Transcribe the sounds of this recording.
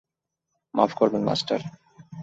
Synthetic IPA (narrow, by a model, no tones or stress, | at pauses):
ma̰fkoɾbenma̰sʈaɾ